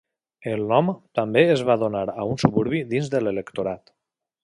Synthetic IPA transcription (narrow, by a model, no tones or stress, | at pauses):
elˠnɔmt̪ambeːzβaðonaɾaunsuβuɾβiðinzðəlelekt̪oɾat̪